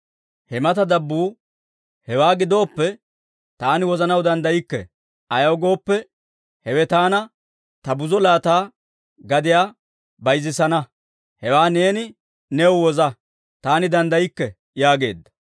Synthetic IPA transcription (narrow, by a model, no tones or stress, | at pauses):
hɛmɐt̪ɐd̪ɐbːuː | hɛwaːɡɪd̪o̞ːpːɛ | t̪aːnɪwɔzɐnɐwd̪ɐnd̪ɐjɪkːɛ̰ | ɐjɐwɡo̞ːpːɛ | hɛwɛt̪aːnɐ | t̪ɐbʊzɔlaːt̪aː | ɡɐd̪ɪjaː | bɐjzɪsɐnɐ | hɛwaːne̞ːnɪ | nɛwwɔzɐ | t̪aːnɪd̪ɐnd̪ɐjɪkːɛ | jaːɡe̞̰ːd̪ːɐ̥